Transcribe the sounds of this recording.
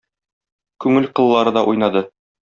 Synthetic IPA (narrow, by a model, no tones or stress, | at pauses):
kʉŋɘlqɤ̆lˠːɑɾɤd̪ɑʔujnɑd̪ɤ